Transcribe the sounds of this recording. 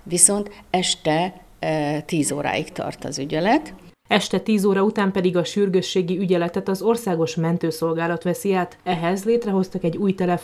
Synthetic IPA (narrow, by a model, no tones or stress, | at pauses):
viso̞nt̪ɛʃt̪ɛ | t̪iːzoːɾa̰ːjikt̪ɒ̰rt̪ɒ̰zyɟɛlɛt̪ | ɛʃt̪ɛt̪iːzoːɾɒut̪aːmpɛd̪iɡɒʃyrɡøʃːeːɡiyɟɛlɛt̪ɛt̪ɒzo̞rsaːɡo̞ʃmɛnt̪øːso̞lɡaːlɒt̪ʋɛsiaːt̪ɛɦɛzleːt̪rɛɦo̞st̪ɒkɛɟːuːjt̪ɛlɛ